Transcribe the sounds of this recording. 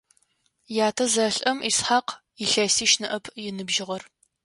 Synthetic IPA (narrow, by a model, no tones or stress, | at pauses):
jaːtʰɐzɐɬʼɐmʔisħaq | jɪɬɐsiːʃnɨʔɐpʰjɪnɨbʒɪʁɐr